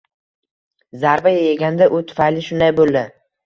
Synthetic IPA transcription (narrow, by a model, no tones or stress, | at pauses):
zaɾvajajeɡʲand̪aʔʊt̪ʰʊ̥fajlɪʃʊnd̪ajbolˠd̪ɪ